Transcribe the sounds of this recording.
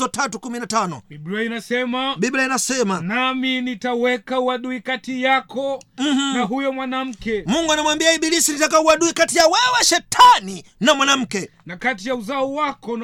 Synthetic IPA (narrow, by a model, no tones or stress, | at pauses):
ɔtatukuminatanɔ̰ibɾainasɛmaɓibɾainasɛmanaminitawɛkauwaɗuikatijakʰɔm̩h̩naɦujɔmwanam̩kɛmuŋɡuanamwambiaiɓilisinitakauaɗuikatijawɛwaʃɛtʰaninamwanam̩kɛ | nakatijauzaɔwakɔn